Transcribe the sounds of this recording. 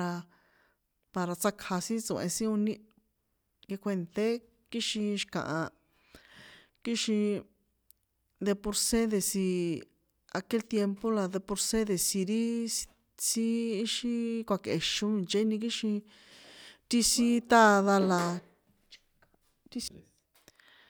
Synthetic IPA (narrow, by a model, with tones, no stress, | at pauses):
a˧ | pa˧ɾa˧t͡sa˦kʰha˧sĩ˦t͡sõ˨˧ʔḛ̃˧si˦ũ˧nĩ˦ | ɡe˧kʷe˧nt̪e˦ | ki˦ʃĩ˧ʃkã̰˨ʔã˧ | ki˦ʃĩ˧ | d̪e˧po˧ɾse˦ðe˧si˧ | a˧ke˦lt̪je˧mpo˦la˧ðe˧po˧ɾse˦ðe˨si˧ɾi˦ | si˦ʃi˦kʷa˧ke˨ʃũ˧˦mĩ˧˨t͡ʃe˦nĩ˧k̬i˦ʃĩ˧ | t̪i˦si˦t̪a˦˧ða˧la˧ | t̪i˦